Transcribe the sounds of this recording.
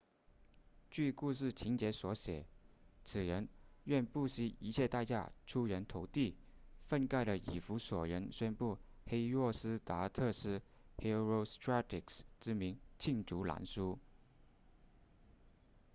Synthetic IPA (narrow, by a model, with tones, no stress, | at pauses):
t͡ɕy˥˧ku˥˧ʂ̬ɻ̩˥˩t͡ɕʰi˧˥ŋt͡ɕjɛ˧˥swɔ˧˥ɕjɛ˨˩˦t͡sʰɹ̩˨˩ɻə˧˥nɥɛ˥˧npu˥˩ɕi˥i˧˥t͡ɕʰjɛ˥˧t̪a˥˧t͡ɕja̰˥˩ʈ͡ʂʰu˥ɻə˧˥nt̪ʰo˧˥ʊt̪i˥˩fə˥˧nka˥˩ɪlə˩ḭ˨˩fu˧˥swɔ˨˩ɻə˧˥nɕə˥npu˥˩ | xe˥ɪɻɔ˥˩sɹ̩˥t̪a˧˥t̪ʰɤ˥˧ʂɻ̩˥˩ | he˥ɹo˥˧ʊst̪ʰɹa˥t̪ʰi˨˩ksʈ͡ʂɻ̩˥mi˧˥ŋt͡ɕʰi˥˩ŋʈ͡ʂu˧˥la̰˧˥nsu˥